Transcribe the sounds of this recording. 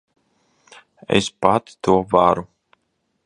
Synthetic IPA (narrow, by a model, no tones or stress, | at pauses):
ɛ̰spat̪t̪uɔvaɾu